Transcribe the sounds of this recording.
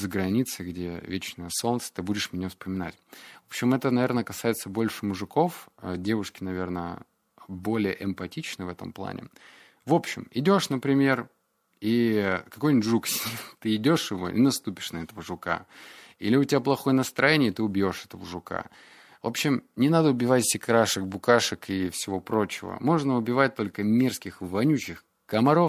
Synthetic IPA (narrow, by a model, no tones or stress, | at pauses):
zəɡɾɐnʲit̪sɨɡdʲevʲet͡ɕnəjəso̞nt̪sə̥t̪ɨbudʲɪʂmʲnʲefspəmʲɪna̰tʲvopɕɪmɛt̪ənɐvʲe̞rnəkɐsajɪt̪səbo̞lʲʂɨmʊʐɨko̞fə̰dʲe̞vʊʂkʲɪnɐvʲe̞rnə̰ | bo̞lʲɪjəʔɪmpɐtʲit͡ɕnəjvɛt̪ə̰mplˠa̰nʲʔɪ̰ | vo̞pɕɪmɪdʲo̞ʂnəpɾʲɪmʲe̞r | ikɐko̞jnʲtʲʐuksʲt̪ɨɪdʲo̞ʂjɪvo̞̰ʔɪ̰nɐst̪upʲɪ̥ʂnɐɛt̪əvəʐʊka̰ilʲɪʊtʲɪvʲaplˠɐxo̞jənəst̪ɾɐjenʲɪjt̪ɨʊbʲjo̞ʂɛt̪əvəʐʊka̰ | vo̞pɕːɪmnʲɪnad̪əʊbʲɪvatʲsʲɪkɾaʂɨk̚bʊkaʂɨkifsʲɪvo̞pɾo̞t͡ɕɪvə̰mo̞ʐnəʊbʲɪvat̚ʲt̪o̞lʲkəmʲe̞rskʲɪxvɐnʲut͡ɕːɪx | kəmɐɾo̞f